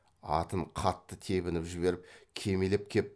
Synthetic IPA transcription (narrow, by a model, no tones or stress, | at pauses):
ɑ̰t̪əɴqʰɑt̪ːət̪ʰe̞βɪnɪpʒɪβe̞ɾɪp̚kʲʰe̞melep̚kʲʰep̚